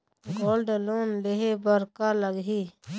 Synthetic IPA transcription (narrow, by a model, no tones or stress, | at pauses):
ɡoːlɖloːnleɦebəɾkaləɡɦiː